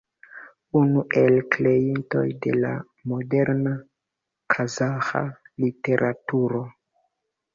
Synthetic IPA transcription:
unuʔe̞lkle̞jinto̞̰jde̞̰la̰ | mo̞de̞ɾna | kʰazaxa̰lite̞ɾʔatuɾo̞

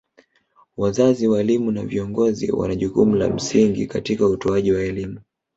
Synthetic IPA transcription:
wazaziwaɛlimunaviɔŋɡɔzḭwa̰naʄukumula̰m̩siŋɡikatikautɔaʄiwaɛlimu

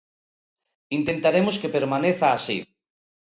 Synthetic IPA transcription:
int̪ent̪aɾemoskepeɾmaneθaːsḭ

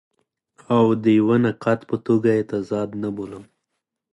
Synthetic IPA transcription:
awd̪əjwanaqɑt̪pət̪oɡajet̪azɑd̪naboləm

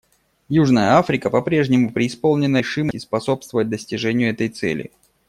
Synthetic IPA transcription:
juʐnəjəafɾʲɪkəpɐpɾʲe̞ʐnʲɪmʊpɾʲɪːspo̞lˠnʲɪnəʂɨməɪspɐso̞pst̪vəvət̚ʲd̪əsʲtʲɪʐɛnʲɪjʊɛt̪əjt̪sɛ̰lʲɪ̰

